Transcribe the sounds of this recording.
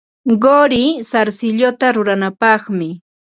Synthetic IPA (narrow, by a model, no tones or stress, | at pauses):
ɢoɾɪsaɾsɪʎot̪aɾʊɾanapɑχmɪ